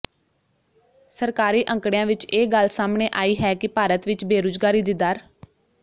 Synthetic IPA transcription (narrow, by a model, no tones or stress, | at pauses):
səɾkaːɾiːʔə̃ŋkɽejãːʋɪt͡ʃeːɡəlsaːmɳeːʔaːiːɦɛːkɪpaːɾət̪ʋɪt͡ʃbeːɾoːzɡaːɾiːd̪ɪd̪aːɾ